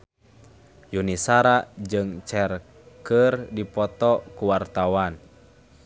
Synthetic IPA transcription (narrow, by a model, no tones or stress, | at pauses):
junisaɾad͡ʒɨŋt͡ʃɛr | kərdipɔt̪ɔkuwart̪awan